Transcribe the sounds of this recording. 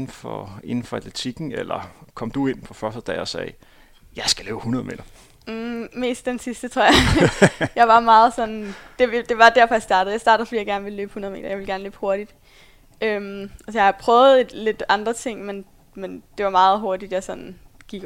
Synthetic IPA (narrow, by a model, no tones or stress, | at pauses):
nn̩fɒ̰e̝nn̩fɒæd̥let͡sʰiɡ̥n̩elɐkʰɒ̽md̥ue̝n̰pʰɒ̽fɶɐsd̥əd̥ɛ̰ːɒsɛ̰ː | jɑ̈ɪsɡ̥ælø̰ːb̥hunɐðˠme̝̰ːd̥ɐ | me̝̰ːsd̥d̥ensisd̥ət͡sʰʁo̝ɐjɑɪ | jɑ̈ɪʋɑ̈mɑ̈ːð̞̩ˠsɒ̽nd̥e̝d̥e̝ʋɑ̈d̥æɐfɒ̽jäsd̥ɑ̈ːɾ̥ð̩ˠjɪsɑ̈ːɾ̥əð̩ˠfdḭjɑ̈ɡæɐnʋe̝lløːb̥hunɐð̞ˠme̝̰ːdɐjɑ̈ʋe̝lɡæɐnleːb̥ho̝ɐɾ̥id̥ | ʔømæsjɑhɑ̈pʰʁœːʊð̩ˠed̥le̝d̥ɑ̈nd̥ʁɐt͡sʰe̝ŋ̰men | mend̥e̝ʋɑ̈mɑ̈ːð̞̩ˠɦo̝ɐd̥id̥jɑ̈sɒ̽n̩ | ɡ̥iɡ̥